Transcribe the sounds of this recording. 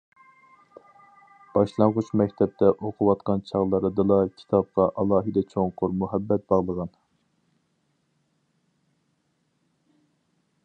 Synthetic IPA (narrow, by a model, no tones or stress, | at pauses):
b̥ɑʃlˠɑɴʁʊt͡ʃmɛk̚ʲt̪ʰɛp̚t̪ʰɛʔoqʰʊwɑt̪qɑnt͡ʃʰɑʁlˠɑɾɨd̪ɨlˠɑkʲʰi̥t̪ʰɑp̚qɑʔɑlˠɑːɦɨd̪ɛt͡ʃʰoŋqʰʊɾmuɦɛbːɛt̪̚bɑʁlˠəʁɑn